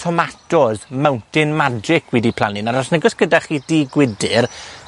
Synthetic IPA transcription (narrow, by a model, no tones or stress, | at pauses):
tʰɔmatɔzmawntɪnmad͡ʒɪkʰwɛdipʰl̥ˠa̰nɪnaɾɔsnɛɡɔsɡ̥ədaχiːdiːɡwɪdɨɾ